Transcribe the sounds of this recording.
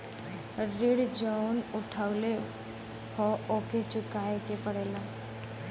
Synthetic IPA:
ɾiɽd͡ʒawnʊʈʰaʊle | hɔoket͡ʃʊkaekepəɽela

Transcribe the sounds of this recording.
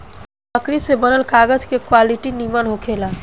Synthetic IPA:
bəkɾisebənəlkaːɡəd͡ʒkekwaːliʈinimənɦokʰeːlaː

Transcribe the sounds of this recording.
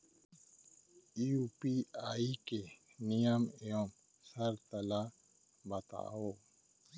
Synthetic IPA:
upiaːike | nijəmijom | səɾt̪əla | bət̪a̰ːo

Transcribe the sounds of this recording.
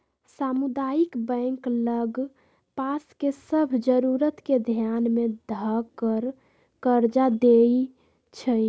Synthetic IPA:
samud̪ajikbɛ̃ŋkləɡ | paskesəbʱd͡ʒəɾuɾət̪ked̪ʱjanmed̪ʱakəɾ | kəɾd͡ʒad̪ei | t͡ʃʰə

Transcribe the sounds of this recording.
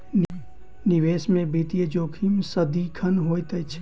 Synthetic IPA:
nɪʋeːsmẽbit̪ijəd͡ʒoːkʰimsəd̪ikʰɐnɦoːjt̪əjt͡ʃʰ

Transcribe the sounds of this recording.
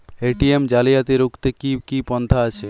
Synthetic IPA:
eʈiemd͡ʑalijat̪eɾukʰt̪ekikipɔnt̪ʰaat͡ɕʰe

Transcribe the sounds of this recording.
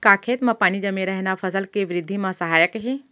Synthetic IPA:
kaːkʰeːt̪mãpaːñid͡ʒɐmeɾɐɦnafʰɐsəlkeʋɪɾɪd̪ʱːimãsɐɦaːjəkɦeː

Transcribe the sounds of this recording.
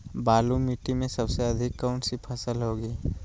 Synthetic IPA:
baːlumiʈimẽsɐbseɐd̪ʱɪkːəːɳsipʰɐsəlɦoːɡiː

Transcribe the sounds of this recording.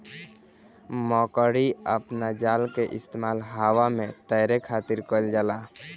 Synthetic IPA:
mɔkəɽiəpnad͡ʒalkeʔist̪emalɦawamet̪əjɾekʰat̪iɾkəld͡ʒala

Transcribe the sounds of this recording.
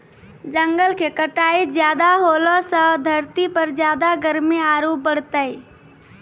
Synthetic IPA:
d͡ʒəŋɡəlkekəʈaːid͡ʒjaːd̪aɦoːlosəd̪ʱəɾt̪ipəɾd͡ʒjaːd̪aɡəɾmiaːɾobəɽ̤t̪əi

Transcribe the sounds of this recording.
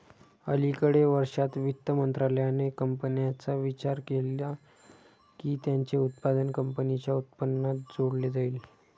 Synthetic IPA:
əlikəɽeʋəɾʂat̪ʋit̪ːəmənt̪ɾaləjanekəmpənjat͡saʋit͡ɕaɾkelja | kiːt̪jaɲt͡ɕeut̪̚pad̪ənkəmpənit͡ɕjaut̪̚pənːat̪̚d͡zoɽled͡zaiːl

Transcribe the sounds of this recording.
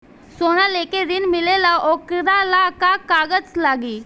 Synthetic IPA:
soɽ̃alekeɾinmilelaʔɔkɾalakakaɡət͡slaɡiː

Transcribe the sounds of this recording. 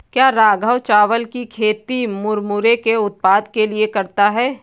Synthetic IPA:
kjaːɾaːɡʱəwt͡ʃaːʋəlkikʰeːt̪imʊɾmʊɾekeʊt̪̚paːd̪keliekɐɾt̪aɦɛː

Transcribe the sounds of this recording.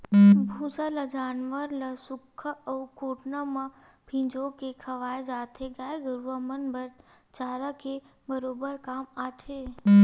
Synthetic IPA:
bʱũsələd͡ʒaːnʋəɾləsʊkʰːəəukoːʈnəmãpʰĩd͡ʒokekʰəʋaːjd͡ʒaːt̪ʰeɡaːjɡəɾʋəmənbəɾ | t͡ʃaːləke | bəɾoːbəɾkaːmaʈʰe

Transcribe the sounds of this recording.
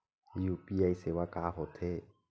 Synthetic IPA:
ijupiajsewakaːhot̪ʰe

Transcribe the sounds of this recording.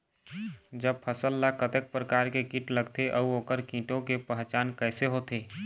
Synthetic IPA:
d͡ʒəb̚pʰəsəlːakət̪ek̚pɾəkaɾkekiʈləɡt̪eʔəuoːkəɾkĩʈõkepəɦt͡ʃaːnkɛɪseɦot̪e

